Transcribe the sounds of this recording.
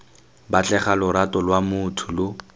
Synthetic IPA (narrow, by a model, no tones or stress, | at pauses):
bat͡ɬʼɛχalʊɾatʼɔlwamʊtʰʊlʊ